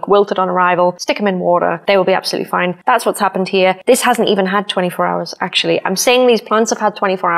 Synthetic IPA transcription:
kwɪlˠtəɾn̩əɹaɪvəlˠstɪkə̃mɨ̃nwɔːɾə̰˞ðeɪwəlˠbia̰b̥səlʉ̰ʔlifãɪ̃nðatswʌtshapə̃n̩d̚hiəðɪshazə̃n̩tḭvə̃nəd̚tʰw̥ɛ̃tifɔːɹa̰ʊəz̥ak̚t͡ʃul̩ˠiʔã̰ɪ̃msiɪɪ̃ŋðiz̥pʰl̥ãntsəv̥əd̚tʰwɛ̃ɾ̃tifɔɹa

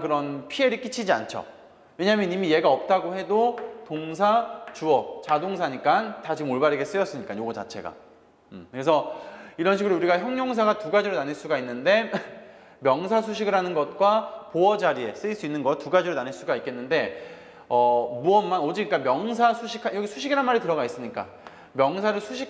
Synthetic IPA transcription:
kɯɾʌnpʰie̞ɾɯɭk͈it͡ɕʰid͡ʑia̰nt͡ɕʰʌ̰ | we̞ɲaɦamjʌnimije̞ɡaʌp̚t͈aɡohe̞dotoŋs̬ʰat͡ɕuʌt͡ɕadoŋsʰaɲik͈antad͡ʑimoɭbaɾɯɡe̞s͈ɯjʌs͈ɯɲik͈ajoɡʌt͡ɕa̰t͡ɕʰe̞̰ɡa̰ | kɾe̞sʰʌiɾʌnɕ̬ʰiɡɯɾouɾiɡaçjʌŋɲoŋs̬ʰaɡatuɡad͡ʑiɾonaneɭs͈uɡainːɯnde̞ | mjʌŋsʰasʰuɕʰiɡɯɾɦanɯnɡʌt̚kwapoʌd͡ʑaɾie̞s͈ɯiɭs͈uinːɯnɡʌtuɡad͡ʑiɾonaneɭs͈uɡait̚k͈e̞nːɯnde̞ | ʌmuʌnːanod͡ʑiɡk͈amjʌŋs̬ʰasʰuɕʰikʰajʌɡisʰuɕʰiɡiɾanmaɾitɯɾʌɡais͈ɯmɲik͈a̰ | mjʌŋsʰaɾɯɭsʰuɕʰi

